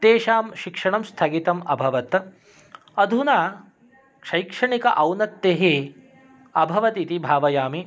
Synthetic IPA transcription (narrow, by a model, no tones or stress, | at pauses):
t̪eːʃaːmʃikʂɐɳɐmst̪ʰɐɡit̪ɐmɐ̰bʱɐʋɐt̪ | ɐd̪ʱunaː | kʂɐjkʂɐɳikɐʔɐwnɐt̪ːeɦe | ɐbʱɐʋɐt̪it̪ibʱaːʋɐjaːmi